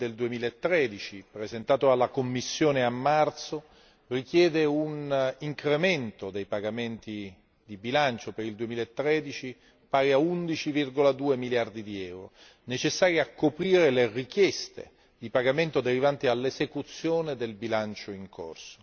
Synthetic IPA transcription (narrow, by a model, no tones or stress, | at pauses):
d̪eld̪uemiːlaet̪ːɾɛd̪it͡ʃipɾezent̪aːt̪oalːakomːisːjoːneamːart̪so | rikjɛːd̪euniŋkɾement̪od̪ejpaɡament̪i | d̪ibilant͡ʃopeɾild̪uemilaet̪ːɾɛd̪it͡ʃi | paːɡeaund̪it͡ʃivirɡolad̪uːemiljard̪id̪iɛwɾo̰ | net͡ʃesːaːɾjeakːopɾiːɾelerikjɛst̪ḛ | d̪ipaɡament̪od̪eɾivant̪ialːezekut̪sːjoːned̪elbilant͡ʃoiŋkʰo̰rso̥